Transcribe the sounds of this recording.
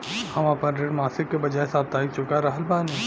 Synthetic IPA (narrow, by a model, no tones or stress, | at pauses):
hɐmapənɾeːɖmaːsɪkːebɐd͡ʒaːesaːb̚t̪aːik̚t͡ʃʊkaɾɐɦəlbãːnẽː